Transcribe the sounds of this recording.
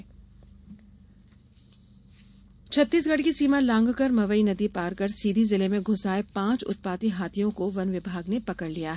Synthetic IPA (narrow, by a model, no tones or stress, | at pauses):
t͡ʃʰɐt̪ːiːs̬ɡɐɽkisiːmãlãːŋɡkɐɾmɐʋəinɐd̪ipaːɾkɐɾsiːd̪ʱizɪlemẽɡʱʊsaːepãːt͡ʃʊ̰t̪̚paːt̪iɦaːt̪ʰijõkoʋɐnʋɪbʱaːɡnepɐkəɽlijaɦ